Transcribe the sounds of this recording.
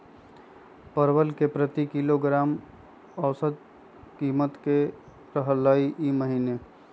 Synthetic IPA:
pəɾwəlkepɾət̪ikiloɡɾaːm | əʊsəd̪̚ | kimət̪ke | ɾəɦələiʔiməɦiːne

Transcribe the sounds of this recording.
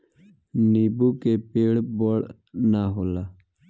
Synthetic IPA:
nibukepeːɽboɽ | naɦola

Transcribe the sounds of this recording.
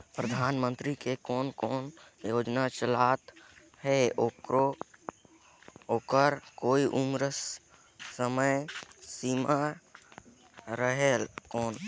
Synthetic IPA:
pɾəd̪ʱaːnmənt̪ɾikekɔːnkɔːnjoːd͡ʒnat͡ʃəlat̪ | ɦɛokɾo | oːkəɾkoːiʔumɾə | səməjsima | ɾəɦelkɔːn

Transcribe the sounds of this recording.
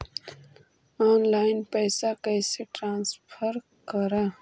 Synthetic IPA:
aːnlaːɪnpɐjsakɐjseʈɾãːnsfʰəɾ | kəɾa

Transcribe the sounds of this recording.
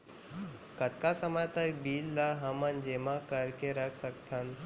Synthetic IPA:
kət̪kasəmajt̪ajbiːlːaɦəmənd͡ʑemakəɾkeɾəksəkt̪ʰan

